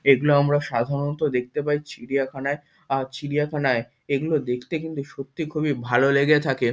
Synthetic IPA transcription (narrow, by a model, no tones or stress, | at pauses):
eɡuloamɾaʃad̪ʱaɾont̪od̪ek̚ʰt̪epait͡ɕiɽijakʰanae | at͡ɕʰiɽijakʰanae | eɡulod̪ekʰt̪ekint̪uʃot̪ːikʰubibʱaloleɡet̪ʰake